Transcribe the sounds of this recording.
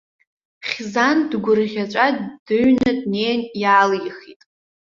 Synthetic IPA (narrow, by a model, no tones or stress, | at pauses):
χʲzandɡʷʊrʁʲat͡ʃʷʼaddɨɥnɨdnejnjaːliχitʼ